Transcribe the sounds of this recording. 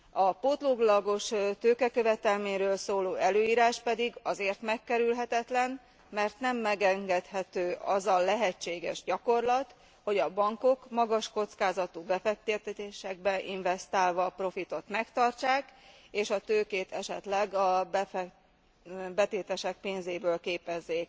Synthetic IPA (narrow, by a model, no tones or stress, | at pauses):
ɒpot̪loɡlɒɡo̞ʃt̪øːkɛkø̞vɛt̪ɛlmeːɲɾøːlsoːloːɛløːiːɾaːʃpɛd̪iɡɒzeːrt̪mɛkːɛɾylɦɛt̪ɛt̪lɛn | mɛrt̪nɛmːɛɡɛŋɡɛt̪hɛt̪øːʔɒzɒlɛɦɛt͡ʃːeːɡɛ̰ʒɟɒko̞rlɒt̪ | ho̞ɟɒbɒŋko̞kmɒɡɒʃko̞t̪skaːzɒt̪ubɛfɛk̚t̪et̪ɛt̪eːʃɛɡ̚bɛʔiɱvɛst̪aːlvɒpro̞fit̪o̞t̪mɛkt̪ɒrt͡ʃaːk | eːʃɒt̪øːkeːt̪ɛʃɛt̪lɛɡɒbɛ | bɛt̪eːt̪ɛʃɛk̚peːnzeːbøːlkeːpɛzːeːk